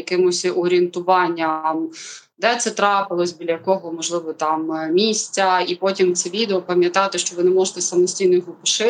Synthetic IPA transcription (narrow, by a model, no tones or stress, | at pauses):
jɐkɪmʊsʲʔɔɾʲient̪ʊʋɑnʲːɐm | d̪ɛt̪sɛt̪ɾɑpɪlˠɔsʲbʲilʲɐjɐkɔɦɔmɔʒlˠɪʋɔt̪ɑmmʲisʲt͡sʲɐipɔtʲimt̪sɛʋʲid̪eɔpɐmʲjɐt̪ɑt̪ɪʃt͡ʃɔʋɪnɛmɔʒet̪ɛsɐmɔsʲtʲijnɔjɔɦɔpɔʃɪ